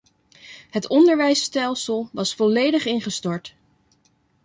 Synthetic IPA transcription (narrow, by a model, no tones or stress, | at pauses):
ɦətɔndəɹʋɛjstɛlˠsəlˠʋɑsfɔlejdəχɪnχəstɔɹt